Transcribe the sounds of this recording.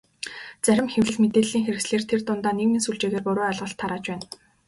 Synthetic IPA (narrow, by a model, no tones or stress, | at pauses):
t͡sæɾʲɪ̆mxewɮɘ̆ɮmet̪eːɮiːŋxeɾɘ̆ksɮeːr̥t̪ʰert̪ʊnt̪aːneɣmiːnsuɮt͡ɕeːɣeːrpʊɾʊːœɮʁə̆ɬt̪ʰːaɾaːt͡ɕpæːn